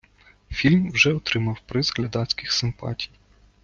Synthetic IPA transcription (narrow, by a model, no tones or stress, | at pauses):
fʲilʲmwʒɛɔt̪ɾɪmɐwpɾɪzɣlʲɐd̪ɑsʲkɪxsɪmpɑ̰tʲi̥j